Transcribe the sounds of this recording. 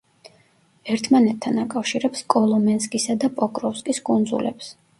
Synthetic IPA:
ɛɾt̪ʰmanɛt̪ʰːanakʼafʃiɾɛpskʼɔlˠɔmɛnskʼisad̪apʼɔkʼɾɔfskʼiskʼund̪zṵlɛ̰ps

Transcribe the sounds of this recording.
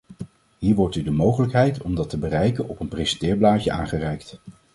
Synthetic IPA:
ɦiːɹʋɔɹtydəmowχələkɦɛjtɔmdɑtəbərɛjkənɔpənprejsə̥ntɪːɹblaːcəa̰ːŋχərɛjkt

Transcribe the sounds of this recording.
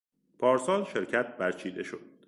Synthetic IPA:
pʰɒːɾsɒːnʃe̞ɾcʰæt̪̚ʰbæɾt͡ʃʰiːd̪e̞ʃod̪̥̚

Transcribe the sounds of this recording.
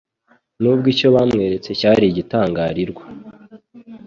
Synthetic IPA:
nub̚ɡiːco̞βaːmŋe̞ːɾe̞t͡se̞caːɾiɟitaːŋɡaːɾiɾɡwa

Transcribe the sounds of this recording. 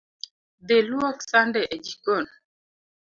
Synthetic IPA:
d̪elwɔksandɛʔed͡ʒikon

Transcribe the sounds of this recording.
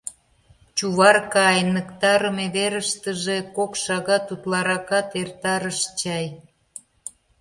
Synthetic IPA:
t͡ɕuβɑrkɑjnəkt̪ɑɾəmeβeɾəʃt̪əʒekokʃɑɣɑt̪ut̪lɑɾɑkɑt̪ert̪ɑɾəʃt͡ɕɑj

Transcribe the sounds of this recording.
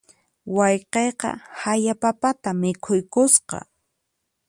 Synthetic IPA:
wɑjqejqɑ̰hajapapat̪amɪkʰʊjkʊsqɑ̰

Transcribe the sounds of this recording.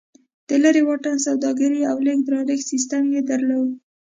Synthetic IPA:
d̪̥əlaɾewɑʈansawd̪ɑɡəɾiawlek̚d̪ɾɑɾeɡsis̬t̪amjed̪aɾlawu

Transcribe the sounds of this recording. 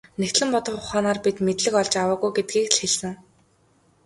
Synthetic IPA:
nekt̪ɮɘ̆mpɔt̪ɞ̆χχʊχaːnaːrpit̪met̪ɮɘ̆kɔɮt͡ɕawəːɣujɡet̪̚ɡiːkɮxeɮsɘ̆ŋ

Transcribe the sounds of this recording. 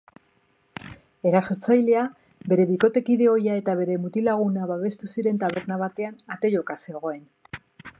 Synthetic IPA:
e̞ɾaso̞ɾt͡sajle̞a | be̞ɾe̞βiko̞t̪e̞kiðe̞o̞jae̞t̪aβ̞e̞ɾe̞mut̪ilaɣ̞unaβaβe̞st̪usiɾe̞nt̪aβe̞ɾnaβ̞at̪e̞anat̪e̞ʝo̞kase̞ɣ̞o̞e̞n

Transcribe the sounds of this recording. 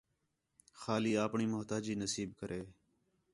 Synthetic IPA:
xaːliːaːpɳiːmʊɦt̪aːd͡ʒiːnəsiːb̚kəɾʔeː

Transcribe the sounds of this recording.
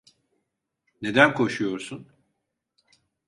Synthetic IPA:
ne̞d̪ænkʰo̞ʃujo̞ɾsun

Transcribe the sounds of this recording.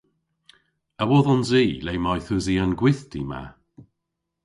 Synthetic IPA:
əwɔðɔnziːlejmajθʊziənɡwɪθd̥ima̰

